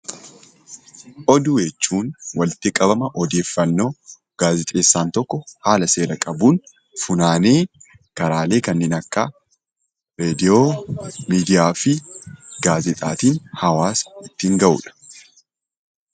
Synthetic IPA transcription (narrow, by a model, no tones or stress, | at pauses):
ʔɔd̪ʊjɛt͡ʃːuːnwɐlɪt̪ɪkʼɐbɐmɐʔɔd̪e̞ːfːɐnːo̞ː | ɡ̥aːzɪt̪ʼe̞ːsːaːnt̪ɔkːɔhaːlɐse̞ːɾɐkʼɐbuːn | fʊnaːne̞ː | kɐɾaːle̞ːkɐnːɪnɐkːɐ | ɾeːd̪ɪoːmiːd̪ɪjaːfɪɡaːzɪt̪ʼa̰ːt̪iːnhɐwaːsɪt̪ːiːŋɡɐʔṵᶑɐ̥